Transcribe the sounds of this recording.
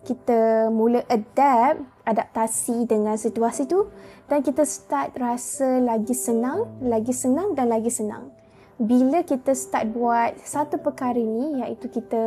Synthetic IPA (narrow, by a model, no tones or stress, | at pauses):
kit̪əmũləʔədap̚ | adap̚t̪asidəŋãnsit̪uasit̪udankit̪əst̪at̪̚rasəlaɡisənãŋlaɡisənãŋdanlaɡisənã̰ŋ | biləkit̪əsə̥t̪at̪̚buat̪̚sat̪upəkaɾəinijaʔit̪ukit̪ə